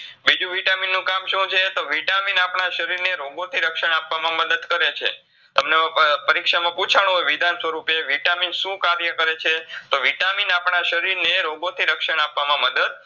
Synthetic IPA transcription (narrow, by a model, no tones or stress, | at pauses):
bid͡ʒũʋiʈaminːũkamʃũt͡ʃʰet̪oʋiʈaminapɳaʃəɾiɾneɾoɡot̪ʰiɾəkʃəɳ̃apʋamãməd̪əd̪kəɾet͡ʃʰe | t̪əmneãpəɾikʃamãput͡ʃʰaɳ̃ũɦojʋid̪ʱansʋəɾupeʋiʈaminʃũkaɾjəkəɾet͡ʃʰet̪oʋiʈaminapɳaʃəɾiɾneɾoɡot̪ʰiɾəkʃəɽ̃apʋamãməd̪əd̪